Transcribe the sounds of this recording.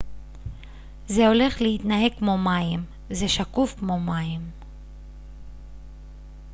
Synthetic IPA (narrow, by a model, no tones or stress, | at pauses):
ze̞o̞le̞χlehit̪naɦe̞kːmo̞majim | zeʃakufkmo̞majim